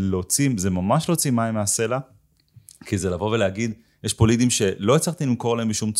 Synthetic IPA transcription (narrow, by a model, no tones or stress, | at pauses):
lot͡simze̞mamaʃlo̞ːt͡simaimease̞la | kize̞lavo̞ve̞leaɡid̪ | jeʃpolid̪imʃe̞lo̞it͡slaχt̪ilimko̞laembiʃumt͡s